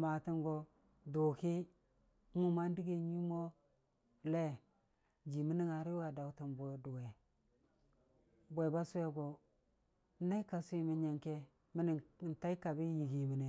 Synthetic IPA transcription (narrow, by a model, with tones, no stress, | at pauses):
ma˨ti˦ŋɡo˨ | do˨ki˦ | mu˦ma˦n˦di˦ɡe˨ɲi˦mo˦ | le˦ | d͡ʒi˨mi˦ni˦ŋa˨ɾi˦wa˨da˨u˨ta˨mbo˨du˨we˨ | bʷe˨ba˦su˦e˦ɡo˨˦ | na˦i˦ka˨su˦i˨mi˨ɲe˨ŋke˦ | mi˦ni˨n̩˨ta˦i˦ka˨bi˦ji˨ɡi˨mi˨ne˨